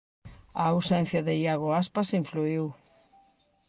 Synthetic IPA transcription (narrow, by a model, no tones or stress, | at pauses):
ɐːwsɛn̟θjɐðɪjaɣ̞ʊaspasiɱfluiw